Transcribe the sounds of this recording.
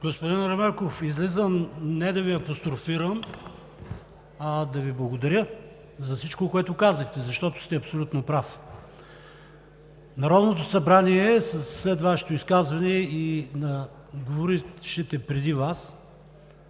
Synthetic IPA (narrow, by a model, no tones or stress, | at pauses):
ɡospod̪inɾɐmɛɾkofizlizəmnɛd̪ɐviɐpost̪ɾofiɾəm | ɐd̪ɐviblˠɐɡod̪ɐɾʲjə | zɐfsit͡ʃkokoɛt̪ʊkazəxt̪ɛzɐʃt̪ɔt̪o̥st̪ɛɐpsolʲut̪nopɾaf | nɐɾɔd̪not̪osɐbɾaniɛsɐsːlɛt̪vaʃɛ̥t̪oiskazvɐniɛinɐ | ɡovoɾiʃɛt̪ɛpɾɛd̪ivas